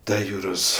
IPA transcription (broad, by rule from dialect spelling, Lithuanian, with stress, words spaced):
ˈtɐ ˈjuːroːs